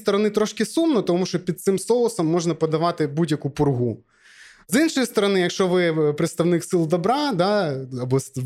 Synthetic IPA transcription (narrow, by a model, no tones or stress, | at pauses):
st̪ɔɾɔnɪt̪ɾɔʃkɪsumnɔt̪ɔmuʃt͡ʃɔpʲid̪̚t̪sɪmsɔlˠɔsɔmːɔʒnɐpɔd̪ɐʋɑt̪ɪbudʲjɐkupʊrɦu | zinʃɔjist̪ɔɾɔnɪjɐkʃt͡ʃɔʋɪpɾɪt̪st̪ɐʋnɪksɪlˠd̪ɔbɾɑd̪ɑɐbɔ